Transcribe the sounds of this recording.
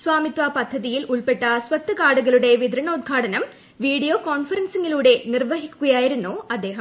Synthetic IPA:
sʋaːmit̪ʋɐpɐd̪ʱːɐðijilʔuɭpe̞ʈːɐsʋɐt̪ːɨkaːɽuɣɐluɽe̞ʋid̪ɾɐɳɐud̪̚ɡʱaːʈɐnɐm | ʋiːɽijoːkoːɳfɐɾɐnsiŋɡiluːɽe̞nirʋɐɦikʲːuɣɐjaːjiɾunːoːɐd̪ːe̞ːɦɐm

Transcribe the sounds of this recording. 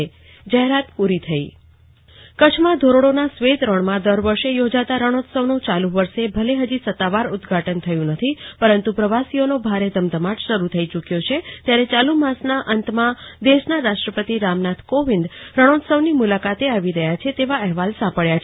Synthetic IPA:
d͡ʒəɦeɾat̪puɾit̪ʰəḭ | kət͡ʃʰmãd̪ʱoɾoɽonasʋet̪ɾəɳmãd̪əɾʋəɾʃejod͡ʒat̪aɾəɽ̃od̪səʋnõt͡ʃaluʋəɾʃebʱəleɦəd͡ʒisət̪ːaʋaɾʊd̪ɡʱaʈənt̪ʰəjũnət̪ʰipəɾənt̪upɾəʋasionobʱaɾed̪əmd̪əmaʈʃəɾut̪ʰəit͡ʃukjot͡ʃʰet̪jaɾet͡ʃalumasnaʔənt̪mãd̪eʃnaɾaʃʈɾəpət̪iɾamnat̪ʰkoʋĩnd̪ɾəɽ̃od̪səʋnimulakat̪eaʋiɾəɦjat͡ʃʰet̪eʋaɛɦʋalsãpəɭjat͡ʃ

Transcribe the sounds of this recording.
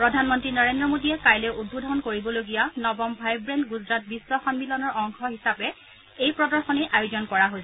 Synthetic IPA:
pɹɔdʱanmɔntɹinɔɹendɹɔmodijɛkajlɛʔud̚bʱodʱɔnkoɹibɔloɡijanɔbɔmbʱajbɹɛndɡuzɹat̚biswaxɔnmilɔnɔɹɔŋxʰɔɦisapɛ | ejpɹɔdɔɹxɔnɛʔajozɔnkɔɹaɦojs

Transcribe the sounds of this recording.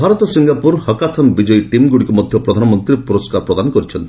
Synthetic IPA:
bʱaɾɔt̪ɔsiŋɡapuɾhɔkat̪ʰɔnbid͡ʒɔjʈimɡuɽikumɔd̪ʱjɔpɾɔd̪ʱanɔmɔnt̪ɾiepuɾɔskaɾpɾɔd̪anɔkɔɾit͡ʃʰɔnt̪ii̥

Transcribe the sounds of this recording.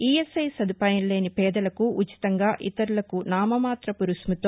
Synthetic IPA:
iːesɐjsɐd̪ʱupaːjɐnle̞ːnipɛːd̪ɐlɐkuʔːt͡ʃi̥t̪ɐŋɡaːʔit̪ɐɾulɐkunaːmɐmaːt̪ɾɐpuɾusmut̪oː

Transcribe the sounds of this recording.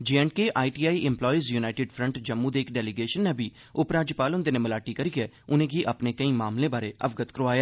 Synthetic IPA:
d͡ʒeɛ̃ːɳʈ̚keʔaːiːʈiːaːiʔɪ̃mplɔːizjuːnaːɪʈɪːɖfʰɾəɳʈd͡ʒəmːũːd̪eːɪkɖɛːlɪɡeːʃənːɛːbʱiː | ʊpɾaːd͡ʒɪpaːlɦʊ̃nd̪eːnẽːməlaːʈiːkəɾiːɡɛː | ʊnẽːɡiːʔəpneːkəĩːmaːmlẽːbaːɾeːʔəʋɡət̪kɾoaːjaː

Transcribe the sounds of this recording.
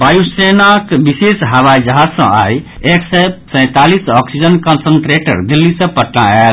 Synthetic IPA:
bajusenakbisesɦabajd͡ʒəɦad͡ʒsə̰̃a̰jeksɛsə̃ɪ̃t̪alisɔksid͡ʒənkənsənʈɾeʈə̰ɾd̪ilːisə̃pəʈna̰el

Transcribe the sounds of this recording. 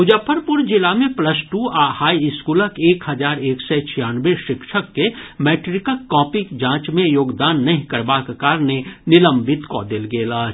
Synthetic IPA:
ʊd͡ʒəpʰəɾpʊɾd͡ʒɪlamẽpləsʈuːaːhaːiɪskuːləkeːkhɦɐd͡ʒaːɾeːksɛt͡ʃʰijaːnʋeʃɪkʃəkːemɛːʈɾɪkəːɔːpɪkd͡ʒãːt͡ʃmẽjoːɡd̪aːnːɐɦĩkɐɾbaːkkaːɾnenɪlə̃mbɪt̪kɔ̰ːd̪ɪlɡeːlaː

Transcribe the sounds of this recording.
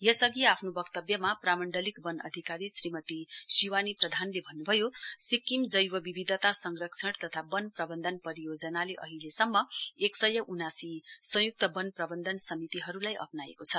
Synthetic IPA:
jʌsʌɡiapʰnobʌkt̪ʌbjʌmapramʌɳɖʌlikbʌnʌ̰d̪ʱikaɾisrimʌt̪isiwaniprʌd̪ʱanlebʱʌnːubʱʌjosikːimd͡zʌjwʌbibʱid̪ʱʌt̪asʌŋrʌksʰʌɽt̪ʌt̪ʰabʌnprʌbʌnd̪ʱʌnpʌɾijod͡zʌnaleʔʌ̰ɦilesʌmːʌeksʌjʌʔunasisʌ̃juk̚t̪ʌbʌnprʌbʌnd̪ʱʌnsʌmit̪iɦʌɾulajʔʌ̰pnaḛkot͡sʰʌ

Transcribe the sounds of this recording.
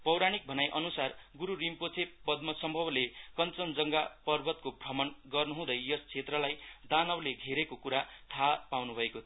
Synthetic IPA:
pʌwɾaɽ̃ik̚bʱʌnajʔʌnusarɡuɾuɾimpot͡sʰepʌd̪mʌsʌmbʱʌblekʌnt͡sʌnd͡zʌŋɡapʌrbʱʌt̪kobʱrʌmʌnɡʌrnuɦũd̪ʌjjʌst͡sʰet̪rʌlajd̪anʌwleɡʱeɾekokuɾat̪ʰapawnubʱʌeko

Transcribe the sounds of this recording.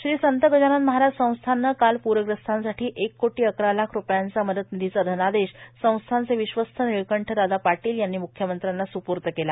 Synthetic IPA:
ɕɾiːsənt̪əɡəd͡ʑanat̪məɦaɾad͡ʑsə̃w̃st̪ʰanːakalpuɾəɡɾəst̪ʰansaʈʰiːʔekːoʈiːəkɾalakʰɾupjant͡saməd̪ət̪nid̪ʱit͡sad̪ʱənad̪eɕsə̃w̃st̪ʰant͡seʋiɕʋəst̪ʰəniɭkəɳʈʰəd̪ad̪apaʈiːljanːimukʰjəmənt̪ɾanːasupuɾt̪əkela

